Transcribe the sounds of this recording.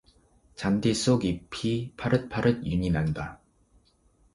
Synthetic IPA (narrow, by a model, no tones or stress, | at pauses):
t͡ɕandes͈oɡipʰipʰaɾɯt̚pʰaɾɯt̚juɲinanda